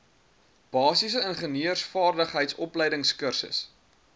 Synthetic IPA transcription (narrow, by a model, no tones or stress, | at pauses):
b̥ɑːsis̬əənχəniərsfɑːrdəχɦəjtsɔplɛjdəŋskərsə̰s